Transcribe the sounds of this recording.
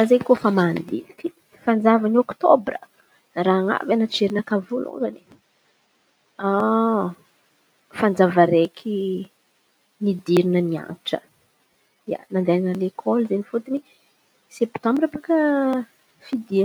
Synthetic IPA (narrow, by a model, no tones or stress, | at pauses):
azekofamaːnd̪ḭlit̪i̥ | fand͡zavaniokt̪ɔbrə̰ | raaŋa̰vanaʈ͡ʂeɾinəkavulṵŋza̰ni̥ | a | fand͡zavəɾekʰi | nid̪iɾinənia̰nʈ͡ʂə̰ | ia̰nand̪enalekʰɔlzenifut̪ini | sept̪ɔ̃mbiɾapakə | fid̪i